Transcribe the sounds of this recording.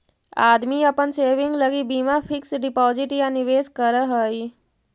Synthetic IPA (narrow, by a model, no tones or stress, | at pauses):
a̰ːd̪miɐpənseːʋɪ̃ŋɡləɡibiːmafʰɪksɖɪpɔːzɪʈjanɪʋeːskəɾəɦəːi